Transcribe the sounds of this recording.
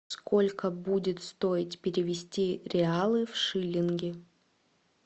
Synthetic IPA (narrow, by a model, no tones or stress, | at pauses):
sko̞lʲkəbudʲɪt̪st̪o̞ɪtʲpʲɪɾʲɪvʲɪsʲtʲiɾʲɪalˠɨfʂɨlʲɪnɡʲɪ